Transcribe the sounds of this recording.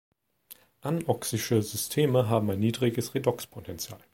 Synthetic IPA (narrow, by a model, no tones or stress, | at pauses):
ʔanʔɔksɪʃəzʏstʰeːməɦaːbm̩aɪnːiːdʁɪɡəsʁedɔkspʰotʰɛnt͡sja̰ːl